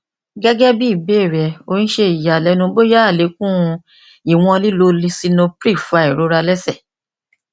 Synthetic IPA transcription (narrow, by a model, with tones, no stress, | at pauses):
ɡɛ˦ɡɛ˦bi˦i˦˨be˦˨ɾɛ˨o˧nĩ˦ʃe˧i˨ja˨lɛ˨˦nũ˧bo˦ja˦a˦˨le˨˦kũ˦˧ | i˨w̃ɔ̃˧li˦lo˧li˧si˧nõ˧pɾi˦˨fa˧˦i˨ɾo˨˦ɾa˧lɛ˦sɛ˦˨